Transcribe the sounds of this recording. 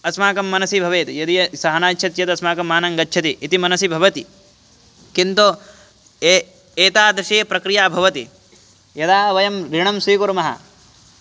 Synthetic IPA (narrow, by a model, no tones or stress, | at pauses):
ɐsmaːkɐmːɐnɐsibʱɐʋeːt̪jɐd̪ijɐsɐɦɐnaːt͡ʃʃʰɐt̪jɐd̪ɐsmaːkɐmaːnɐŋɡɐtːʃʰɐt̪iʔːt̪imɐnɐsibʱɐʋɐt̪i | kint̪o | eːt̪aːd̪ɾɐʃeːpɾɐkɾijaːbʱɐʋɐt̪i | jɐd̪aːɐʋɐjɐmɾiɳɐmsiːkuɾmɐɦɐ̰